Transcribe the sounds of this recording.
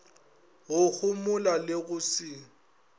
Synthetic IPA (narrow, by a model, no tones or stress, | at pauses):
ɣʊhʊmʊlalɪɣʊsiː